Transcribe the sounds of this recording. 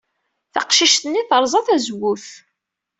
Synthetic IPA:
θɑqʃiʃt̪ənːiθəɾˤzˤɑθæzwuθ

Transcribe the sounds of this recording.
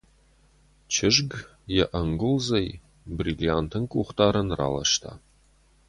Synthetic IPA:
t͡ʃʰɪʒɡ | jɛʔɐŋɡʊlzɐj | brilijant̪ʰɨnkʷʼuχʷtʰaːɾɐnra̰ːlɐ̰ʃt̪ʰa̰ː

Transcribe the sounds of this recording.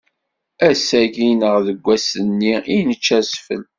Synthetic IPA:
æsæʝinəʁðəɡʷːæsənːiinət͡ʃːæsfə̰l

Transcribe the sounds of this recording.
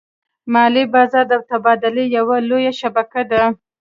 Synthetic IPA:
mɑlibɑzɑɾd̪awt̪abɑd̪ɪlejawalojaʃabakad̪a

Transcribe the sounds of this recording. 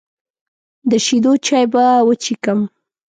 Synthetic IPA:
d̪əʃid̪ot͡ʃajbawət͡ʃikəm

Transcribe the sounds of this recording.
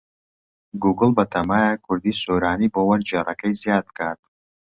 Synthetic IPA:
ɡuːɡɨlˠbɐt̪ʰɐmaːjakʰʊɾd̪iːsoːɾaːniːboːwɐɾd͡ʒerɐkɐjzjaːd̪̚kʰaːt̪̚

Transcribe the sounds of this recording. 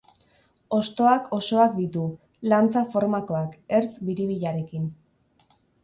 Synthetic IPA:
o̞st̪o̞akʰo̞so̞akd̪it̪u | lant͡safo̞ɾmako̞ake̞ɾt͡sbiɾiβ̞iʎaɾe̞kin

